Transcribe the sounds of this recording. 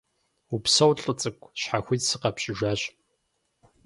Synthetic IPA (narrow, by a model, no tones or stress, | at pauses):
upsɐwɬʼɨt͡sʼɨkʷʼɕħaxʷitsɨqɐpɕʼɪʒʷaːɕ